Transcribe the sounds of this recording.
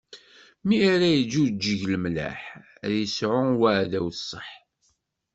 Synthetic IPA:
miaɾæjəd͡ʒud͡ʒəʝləmlæ̰ħ | ðjəsʕʊwaʕðæwθsˤːəħ

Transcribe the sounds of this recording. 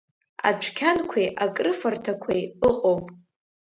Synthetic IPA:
a̰t͡ɕʷʰkʲʰankʷʰejʔakʼrɨfɨrtʰakʷʰejɨqʼowpʼ

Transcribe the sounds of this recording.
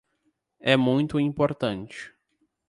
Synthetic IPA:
ɛmũj̃t̪ʊĩpoɾt̪ɐ̃nt͡ʃɪ̥

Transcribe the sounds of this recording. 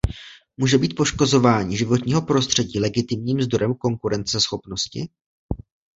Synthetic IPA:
muːʒɛbiːt̪̚po̞ʃko̞zo̞vaːɲiːʒɪvo̞t̪ɲiːɦo̞pɾo̞st̪r̝̥ɛɟiːlɛɡɪt̪ɪmɲiːmzd̪o̞ɾɛmko̞ŋkuɾɛnt͡sɛsxo̞pno̞scɪ̰

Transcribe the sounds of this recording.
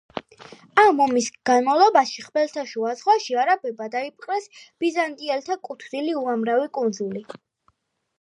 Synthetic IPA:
amɔmisɡ̥anmalˠɔbaʃiχbɛlt̪ʰaʃuazʁwaʃiaɾabɛbad̪aip̚ʼqʼɾɛsb̥izant̪ʼiɛlt̪ʰakʼut̪ʰvniliuamɾavikʼund̪zuli

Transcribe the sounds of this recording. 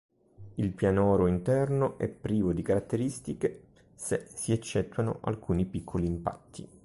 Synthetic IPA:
ilpjanɔːɾoint̪ɛrnoʔɛ̰pːɾiːvod̪ikaɾat̪ːeɾist̪ike | sesiet͡ʃːɛt̪ːwano̰ʔa̰lkʰuːnipikʰːoliːmpa̰t̪ʰːḭ

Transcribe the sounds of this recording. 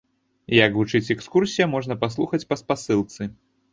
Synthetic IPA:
jɐkvut͡ʂɨt͡sʲɛkskursʲijɐmɔʐnɐpaslˠuxɐt͡sʲpɐspasɨlˠt̪sɨ

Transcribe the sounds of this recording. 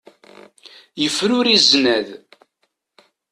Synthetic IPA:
jəfːɾʊɾiznæð

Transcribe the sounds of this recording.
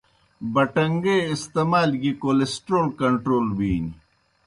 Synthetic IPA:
bɐʈɐŋɡeːist̪eːmaːlɡikoːlesʈɾoːlkɐɳʈɾoːlbiːni

